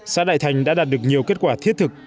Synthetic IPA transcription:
saː˧ɗa̰˧˨jt̪ʰa˨˩jŋ̟ɗa̰ː˧˥aː˨˩t̚ɗɨ˨˩ək̚ɲi˨˩əwke˦˥t̚kwaː˧˩t̪ʰi˦˥ət̚t̪ʰɨ˨˩k̚

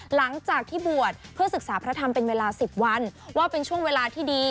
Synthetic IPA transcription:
la˩˦ŋt͡ɕaː˨˩k̚t̪ʰiː˥˩bu˨˩ət̪̚pʰɯ˥˩əsɯ˨˩k̚saː˩˦pʰɾa˦˥t̪ʰa˧mpe˧nweː˧laː˧si˨˩p̚wa˧nwaː˥˩pe˧nt͡ɕʰu˥˩əŋweː˧laː˧t̪ʰiː˥˩diː˧

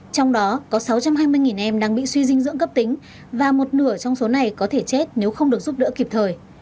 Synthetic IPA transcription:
t͡ɕɔ˧wŋ͡mɗɔ˨˦kɔ˨˦sa˨˦wt͡ɕa˧mɦaː˧jmɨ˧əjŋi˨˩nʔɛ˧mɗaː˧ŋɓḭ˧˨swi˧zï˧ŋzɨ̰˧əŋkə˦˥p̚t̪ï˨˦ŋ̟ | vaː˨˩mo˨˩t̚nɨ˧˩ət͡ɕɔ˧wŋ͡mso˨˦na˨˩jkɔ˨˦t̪ʰe˧˩t͡ɕe˦˥t̚ne˨˦wxə˧wŋ͡mɗɨ˨˩ək̚z̥u˦˥p̚ɗɨ̰˧˥əki˨˩p̚t̪ʰəː˨˩j

